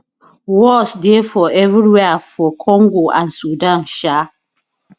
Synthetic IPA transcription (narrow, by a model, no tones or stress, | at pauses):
wɔsdefɔɛvɹiwɛafɔkʰɔ̃ŋɡoʔãnsudãnʃa